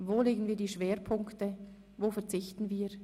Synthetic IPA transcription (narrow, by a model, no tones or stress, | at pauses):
voːleːɡənviːɐdiːʃv̥eːɾpʰʊŋktə | voːfɛɐt͡sɪçtn̩viː